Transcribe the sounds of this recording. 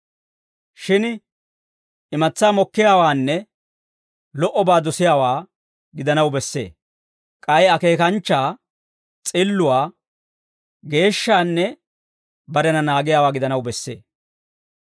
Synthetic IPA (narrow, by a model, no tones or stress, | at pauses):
ʃɪn | ɪmɐt͡sːaːmɔkːɪjaːwaːnːɛ | lɔʔɔbaːd̪ɔsɪjaːwaː | ɡɪd̪ɐnɐwbɛsːe̞̰ː | kʼɐjɐke̞ːkɐnt͡ʃːaː | t͡sʼɪlːʊwaː | ɡe̞ːʃːaːnːɛ | bɐɾɛnɐnaːɡɪjaːwaːɡɪd̪ɐnɐwbɛsːe̞̰ː